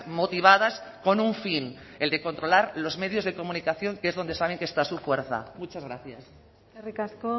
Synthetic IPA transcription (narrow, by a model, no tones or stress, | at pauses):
mo̞t̪iβ̞aðasko̞nuɱfine̞ld̪e̞ko̞nt̪ɾo̞laɾlo̞zme̞ð̞jo̞zðe̞ko̞mũnikaθjo̞ŋkeezðo̞nd̪e̞saβ̞e̞ŋkest̪asufwe̞ɾθa̰mut͡ʃazɣɾaθjas | erikasko